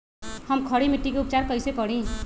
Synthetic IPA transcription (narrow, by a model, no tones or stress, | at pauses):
həmkʰʌɽimiʈːikeupt͡ʃaɾkəjsekʌɽĩ